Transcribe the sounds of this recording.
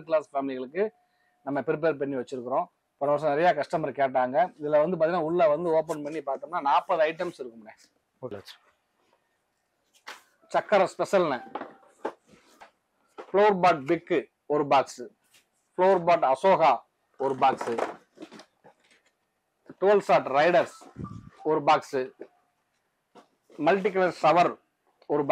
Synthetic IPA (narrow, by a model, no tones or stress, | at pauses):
k̬ɪɭaːsfaːmɪlɪɣɐɭɯkːɯ | nɐmːɐpɾɪp̬eːɾp̬ɐɳːiʋɐt͡ʃːɪɾɯkːɯɾõ | pɔnːɐʋɐɾs̬ɐ̃nɪɾɐjaːkɐʂʈɐmɐɾkeːʈːaːŋɡɐɪðɪlɐʋɐnd̪ɯpɐðɪnãːʊɭːɐʋɐnd̪ɯoːp̬ːɐɳpɐɳːipaːɾt̪ːɯmnaːnaːpːɐðɯɐɪʈɐmsɪɾɯkːɯmneː | t͡ʃɐkːɐɾɐspɛsɐlnɐ | floːɾbaːʈ̚bɪkː | ɔɾɯbaːks | floːɾbaːʈɐsoːɣaː | ɔɾɯbaːksɯ | ʈoːlsaːʈɾɐɪɽɐɾs | ɔɾɯbaːksɯ | mɐlʈɪk̬ɐlɐɾsɐʋɐɾ | ɔɾɯb